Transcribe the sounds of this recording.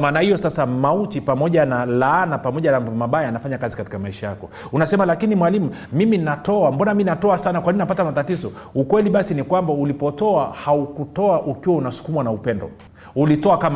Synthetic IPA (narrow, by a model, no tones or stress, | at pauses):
maːnahijɔsasamautipamɔʄanalaanapamɔʄanamaɓajaanafaɲakazikati̥kamaiʃajakɔ | unasɛmalakinimwalimumiminatɔambɔnaminatɔasanakwainapatamatatizɔukwɛliɓasinikwambaulipɔtɔahaukutɔaʔukiwaunasu̥kumwanaupɛndɔ̰ | ulitɔakam